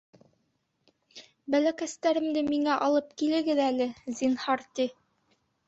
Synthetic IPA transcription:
bælækæst̪æɾɘ̆md̪ɘmiŋæʔɑlˠɤp̚kilɘ̆ɡɘðælɘzinhɑɾt̪i

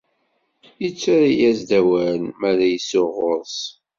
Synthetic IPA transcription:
jət͡sːaɾijæzd̪æwæɾnmæɾæjəsoʁoɾˤs

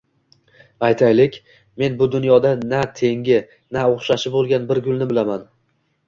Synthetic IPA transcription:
ajt̪ʰajlɪkʲ | me̞nbʊd̪ʊnjɒd̪anat̪ʰe̞ŋɡʲɪ | naoχʃaʃɪbolˠɡʲanbɪɾɡʲʊlˠnɪbɪlaman

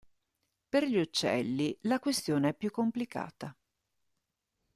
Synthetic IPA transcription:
perʎiut͡ʃːɛ̰lːilakwest̪joːneɛpːjukːomplika̰ːt̪a

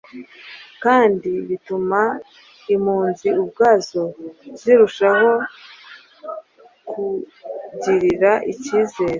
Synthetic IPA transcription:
kaːndiβituma | imhuːnziub̚ɡaːzo̞z̥iɾuʃaho̞ | kʰuɟiɾiɾaʔiciːze̞ːɾe

